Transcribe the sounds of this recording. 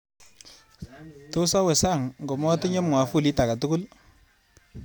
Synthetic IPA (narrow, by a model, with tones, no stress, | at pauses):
to˦sa˦we˨sa˦˨ŋŋɡɔ˨mɔ˦tɪ˦ɲe˦mŋwa˨fu˦˨li˦ta˨ka˨tu˦kʊ˦l